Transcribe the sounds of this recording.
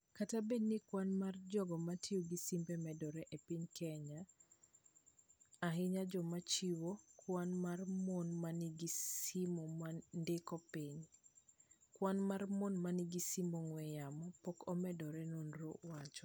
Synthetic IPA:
katabenːikwanmard͡ʒɔɡɔmatioɡisimbɛmɛdɔɾɛʔepiɲkɛɲa | ɦɪɲad͡ʒɔmat͡ʃiwokwanmarmɔnmaniɡisimɔmandɪkɔpiɲ | kwanmarmɔnmanɪɡisimoŋwɛjamɔpɔkɔmɛdɔɾɛnonɾo̰wat͡ʃɔ̥

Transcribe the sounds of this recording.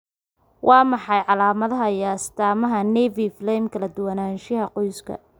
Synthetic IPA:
wʔɑːmɑħɑjʕɑlaːmɐðɐɦɐjast̪ʰaːmɐɦɐnɛviflɛjmkʰɐlɐd̪ʊwɐnaːnʃɪhɐqɔjskʰɐ̰

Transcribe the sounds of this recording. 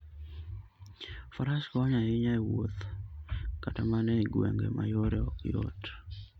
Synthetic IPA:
faɾaskɔɔɲaɪɲaewot̪ | katamanɛɡwɛ̰ŋɡḛmʔa̰joɾɛjo̰t

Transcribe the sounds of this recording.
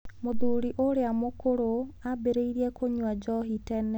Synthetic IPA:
moðuːɾiʔoɾeamokoɾoabeɾeiɾiɛkoɲwad͡ʒɔɦitɛnɛ

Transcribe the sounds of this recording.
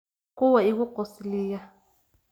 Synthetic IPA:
kʼuwɛikukosiliːja

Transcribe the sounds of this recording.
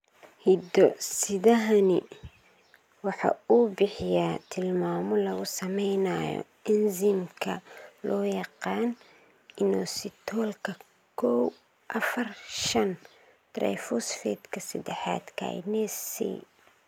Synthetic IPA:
hid̪ɔsɪðɐɦɐnɪ̰ | wɑħɑ̰uːbɪħɪjat̪ʰɪlmaːmɔlɐɣʊsɐmɛjnajɔ̰ | ɪnzɪmkʰɐlʔɔːjɑqɑːn | ɪnɔsɪt̪ʰɔːlkʰɐ | kʰɔw | ʔɐfɐrʃɐn | t̪rɛ̰jfʊsfɛ̰ːd̪kʰɐsɐd̪ɛħɑ̰ːd̪kʰa̰jnɛsḭ

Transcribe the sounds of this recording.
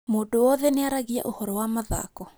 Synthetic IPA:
modoɔðɛneaɾaɣia̰ʔohɔɾɔwamaða̰kɔ

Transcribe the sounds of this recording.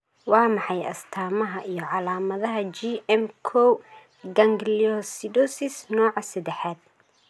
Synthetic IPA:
wɑːmɑħɑjɐ̰st̪ʰaːmɐɦɐʔijɞʕɑlaːmɐðɐɦɐt͡ʃiɛmkʰɔw | ɡɐŋɡliɔsid̪ɔsɪsnɔːʕɑsɐd̪ɛħaːd̪̥̚

